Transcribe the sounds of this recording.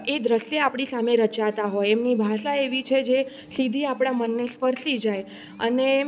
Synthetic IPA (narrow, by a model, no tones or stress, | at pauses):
ed̪ɾəsjeapɽ̃isameɾət͡ʃat̪aɦojɛmnibʱaʃaeʋit͡ʃʰed͡ʒe | sid̪ʱiapɽ̃amənːespəɾsid͡ʒaj | ə̰ne